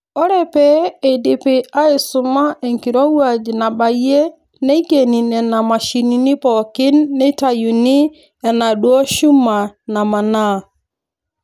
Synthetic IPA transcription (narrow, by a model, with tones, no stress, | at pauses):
ɔ˦ɾɛ˦˨pɛ˦e˨dɪ˨pɪ˨a˦ɪ˨sʊ˨ma˦ʔe˨ŋki˨ɾɔ˦wa˦˨d͡ʒi˨na˨ba˨je˦ | ne˦i˦ɡe˨ni˨nɛ˨na˨ma˨ʃi˨ni˨ni˦pɔ˨kɪ˦nːe˦ta˨ju˨ni˦ | ɛ˨na˨ɗwɔ˦ʃu˦ma˨na˨ma˨na˦˨